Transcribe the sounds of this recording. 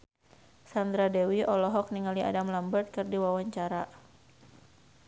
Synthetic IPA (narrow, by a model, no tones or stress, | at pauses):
sand̪ɾadɛwiʔɔlɔɦɔk̚niŋalia̰damlambərt̪̚kɨrdiwawaɲt͡ʃaɾa